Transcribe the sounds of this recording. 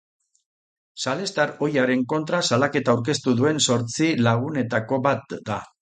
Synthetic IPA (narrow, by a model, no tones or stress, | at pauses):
sale̞st̪aɾo̞jaɾe̞ŋko̞nt̪ɾasalake̞t̪aːwɾk̬e̞st̪uðue̞nso̞ɾt͡silaɣ̞une̞t̪ako̞βat̪̚d̪a